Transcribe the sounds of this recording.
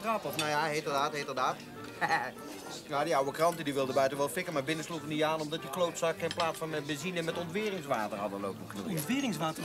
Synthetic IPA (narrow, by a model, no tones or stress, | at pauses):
ratɔfnajaɦejtərdaːtɦetərdaːt | jadiawəkrɑntədiʋɪlˠdəbœɥtənʋɛlˠfɪkəmaːɹbɪnəsluχəniaːnɔmdɑtjəklowtsɑkɪnplaːtsfɑnbəzinəmɛtɔntʋɪːrɪŋsʋaːtərɦɑdəlowpənχənṵɔntʋɪːrɪŋsʋaːtə